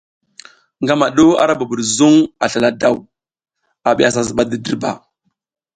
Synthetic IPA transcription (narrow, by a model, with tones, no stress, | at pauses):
ŋɡa˦ma˨ɗo˦a̰˦ɾa˦ba˨bu˨ɾzu˦ŋa˨ɬa˨la˦da˦˨w | a˨ɓi˦˨a˨s̬a˨zɓa˦də˨di˦ɾba˨